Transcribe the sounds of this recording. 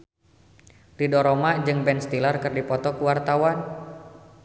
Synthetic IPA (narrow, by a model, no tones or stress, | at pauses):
ridɔɾomad͡ʒɨŋbɛnst̪ilarkɨrdipɔt̪ɔkuwart̪awan